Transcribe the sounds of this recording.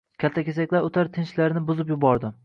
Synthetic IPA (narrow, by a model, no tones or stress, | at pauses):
kʲʰalt̪ʰːakʲesakʲlaɾot̪ʰaɾt̪ʰɪnt͡ʃlaɾnɪbʊzɪpjʊbɒɾd̪ɪ